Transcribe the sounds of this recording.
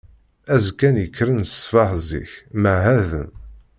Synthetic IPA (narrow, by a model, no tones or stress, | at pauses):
æzkːænjəkːɾənssfɑħzḭçməʕɦæðə̰n